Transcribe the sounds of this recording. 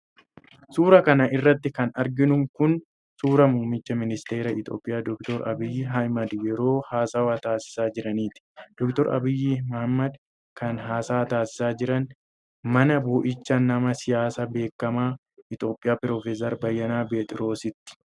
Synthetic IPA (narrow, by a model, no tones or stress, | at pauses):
suːɾɐkɐnɐʔɪrːɐt̪ːɪkɐnɐɾɡɪnʊŋkʊn | suːɾɐmʊːmɪt͡ʃːɐmɪnɪst̪e̞ːɾɐɪt̪ʼo̞ːpʼːɪjaːd̪ɔkt̪ɔɾɐ̰bɪjːɪɦɐjmɐd̪jɛɾo̞ːhaːsɐwat̪aːsɪ̥saːd͡ʒɪɾɐniːt̪ɪ̥d̪̥ɔkt̪ɔɾɐ̰bɪjːɪmɐhɐmːɐd̪ | kɐnɦaːsaːt̪aːsɪ̥saːd͡ʒɪɾɐn | mɐnɐbɔːʔɪt͡ʃːɐnːɐmɐsɪjaːsabe̞ːkːɐmaː | ɪt̪ʼo̞ːpʼːɪjaːpɪɾoːfes̬ɐɾbɐjːɐnaːbeːt̪ʼɪɾo̞ːsɪt̪ːɪ̥